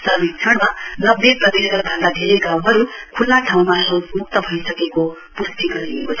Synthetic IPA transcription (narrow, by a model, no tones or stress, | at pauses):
sʌmikt͡sʰʌɽmanʌbːjeprʌt̪iɾʌɡʌlbʱʌ̃nd̪ad̪ʱeɾejɡãw̃ɦʌɾukʰulːaʈʰaw̃maɦomuk̚t̪ʌbʱʌjsʌkeko | pust̪iɡʌɾiḛkot͡sʰʌ